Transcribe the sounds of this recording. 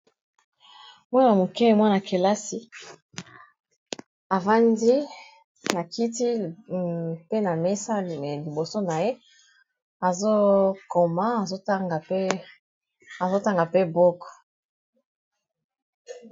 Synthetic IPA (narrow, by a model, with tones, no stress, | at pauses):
mwa˦na˨mo˨kɛ˦˨mwa˦na˨ke˨la˦si˨ | a˨va˦ndi˦ | na˨ki˦ti˦˨ | pe˦na˨me˦sa˦˨li˨bo˨so˦na˨je˦ | a˨zo˦ko˨ma˦a˨zo˦ta˦ŋɡa˨p | a˨zo˦ta˦ŋɡa˨pe˦bo˦kɔ̥˨